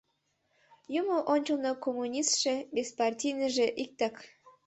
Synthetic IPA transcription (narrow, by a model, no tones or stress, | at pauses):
jumoʔonʲt͡ɕəlnokomːunʲist̪ʃĕbʲespɑrtʲijnəʒeʔik̚t̪ɑk